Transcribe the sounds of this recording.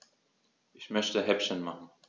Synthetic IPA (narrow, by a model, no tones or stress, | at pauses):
ʔɪçmœçtəɦɛpʃənmaχn̩